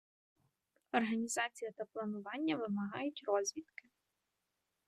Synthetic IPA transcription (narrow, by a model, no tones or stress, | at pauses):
ɔrɦɐnʲizɑt͡sʲijɐt̪ɐplˠɐnʊʋɑnʲːɐʋɪmɐɦɑjʊtʲrɔzʲʋʲit̪kɪ